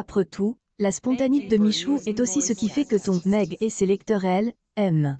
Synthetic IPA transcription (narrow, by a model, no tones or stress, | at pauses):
apχət̪ʰu | laspɔ̃t̪anit̪̚d̪əmiʃuʔɛt̪osisəkʲifɛkət̪ɔ̃nɛɡeselɛkt̪œʁɛl | ɛm